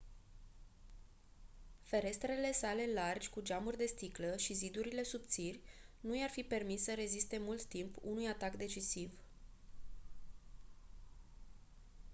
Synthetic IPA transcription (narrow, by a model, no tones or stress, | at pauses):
fe̞ɾe̞st̪ɾe̞le̞sale̞lard͡ʒʲkud͡ʒamurʲd̪e̞st̪ikləʃizid̪uɾile̞supt̪sirʲnujarfipe̞rmissəɾe̞zist̪e̞mult̪ːimpṵnujat̪akd̪e̞t͡ʃisiv